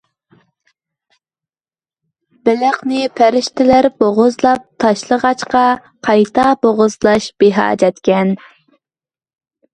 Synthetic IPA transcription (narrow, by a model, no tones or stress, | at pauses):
bɪlæχnɪpʰæɾɪʃt̪ɪlæɾboʁʊzlˠɑp̚t̪ʰɑʃlˠəʁɑt͡ʃqɑ | qʰɑjt̪ʰɑboʁʊzlˠɑʃb̥eɦɑ̰ːd͡ʒɛt̪kʲɛn